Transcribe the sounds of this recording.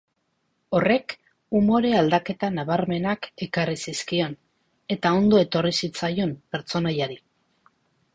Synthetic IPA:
o̞re̞k | umo̞ɾe̞ald̪ake̞t̪anaβ̞aɾme̞nake̞karisiskio̞n | e̞t̪ao̞nd̪o̞e̞t̪o̞risit͡sajo̞mpe̞ɾt͡so̞najaɾi

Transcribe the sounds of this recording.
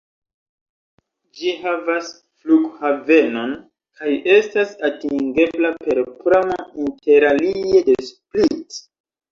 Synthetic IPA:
d͡ʒihavas | fluɡhave̞no̞n | kʰaje̞stasatiŋɡe̞blape̞ɾpɾamainte̞ɾaliedesplit

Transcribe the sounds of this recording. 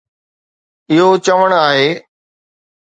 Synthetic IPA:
ɪɦot͡ɕɐʋəɽ̃aːɦeː

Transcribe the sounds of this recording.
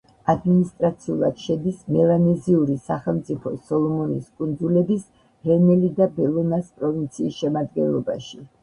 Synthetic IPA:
ad̪minist̪ʼɾat̪sʰiulˠad̪̥ʃɛd̪ismɛlanɛziuɾisaχɛlˠmt̪sʼipʰɔsɔlˠɔmɔniskʼund̪zulɛbis | ɾɛnɛlid̪abɛlˠɔnaspʼɾɔvint̪sʰiːsʃɛmad̪ɡɛ̰nlˠɔba̰ʃi

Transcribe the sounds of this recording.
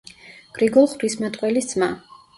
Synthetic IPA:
ɡ̥ɾiɡɔlˠχbɾismat̪ʼqʼwɛlisd̪sʼma

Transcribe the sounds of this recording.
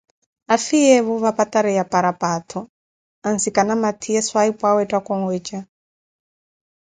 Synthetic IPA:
afijɛβuβapat̪aɾɛjapaɾapat̪ʰɔ | ansikanamat̪ʰiɛswaipʼwawɛtʼakɔŋɡwɛt͡ʃʼa

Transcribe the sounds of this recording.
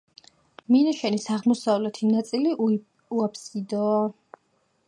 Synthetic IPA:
minaʃɛnisaʁmɔsavlɛt̪ʰinat̪sʼili | uapʰsid̪ɔ

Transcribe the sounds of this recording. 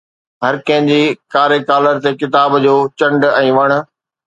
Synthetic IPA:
ɦɐɾkɐ̃ɦɪ̃ɲd͡ʑiːkaːɾekaːləɾt̪ekɪt̪aːbd͡ʑoːt͡ɕɐ̃ɳɖɛ̃ːʋɐɽ̃ʊ̆

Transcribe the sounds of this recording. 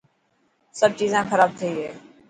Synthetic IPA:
səb̚t͡ʃiːzãːxəɾaːb̚t̪ʰəiːɦɛː

